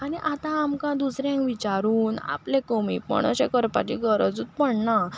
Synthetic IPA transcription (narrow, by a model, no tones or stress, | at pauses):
aniʔat̪ãːmkãd̪usɾjãŋkʋit͡ɕaɾuːna̰plẽkəmipə̰ɳə̰ɕekəɾpa̰t͡ɕiɡʱəɾəd͡zut̪̚pəɳna